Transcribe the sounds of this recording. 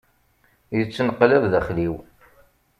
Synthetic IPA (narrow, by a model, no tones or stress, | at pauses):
jət͡sːnəqːlɪɾðæχliw